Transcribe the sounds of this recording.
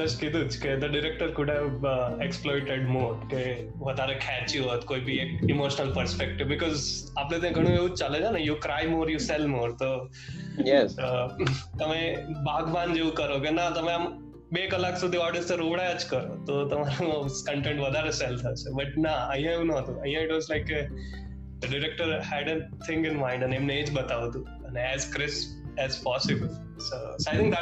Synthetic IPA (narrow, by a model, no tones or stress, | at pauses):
d̪əskit̪uːt͡sked̪əɖiɾek̚ʈəɾkuʈʰeeksplɔjʈeɖmoʈ̪ke | ʋəd̪ʱaɾekʰɛt͡ɕiɦot̪koibʱiːekimoɕənəlpəɾspek̚ʈiʋbikɔzaplẽt̪ẽɡʱəɽ̃ũːeuːt͡st͡ʃaləd͡ʑanajukɾajmoɾjuselmoːɾt̪o | jɛsət̪əmẽbaɡʱʋãnd͡ʒeũkəɾokenat̪əmẽam | bekəlaksud̪ʱiɔɾɖɪst̪əɾoʋɽajat͡ʃkəɾot̪ot̪ɐmaɾukə̃ɳʈẽɳʈʋəd̪ʱaɾesɛlt̪ʰasebɐʈ̚naəjjãeũnəɦɔt̪ũəjãɪʈʋɔzlaɪkːe | d̪əɖɪɾek̚ʈəɾhɛɖə̃t̪ʰɪ̃ŋkɪ̃nmãɪ̃ɳɖə̃nemneet͡ʃbət̪aʋt̪ũ | ə̃nɛzkɾɪsp | ɛzpɔsɪbəl | soːsoaɪt̪ʰɪ̃ŋk̚d̪